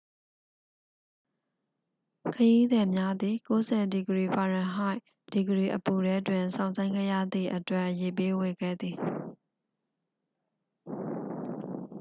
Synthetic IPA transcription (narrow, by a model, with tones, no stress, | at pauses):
kʰəji˦d̪ɛ˨mja˦d̪ði˨ko˦zɛ˨di˨ɡəɹi˨pʰa˨ɹã˨ɦa˦ɪʔ | d̥i˨ɡəɹi˨ʔəpu˨ɾɛ˦twɪ̃˨nsʰã˨ʊ̃nsʰã˦ɪ̃ŋɡɛ̰˦˨jä̰˦˨d̪ði˨ʔətwɛ˦ʔje˨p̬e˦we˨ɡɛ̰˦˨d̪i˨